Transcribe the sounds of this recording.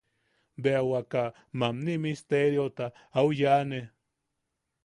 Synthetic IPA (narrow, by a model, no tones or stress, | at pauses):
beawaka | mamnimist̪eɾjot̪a | awjane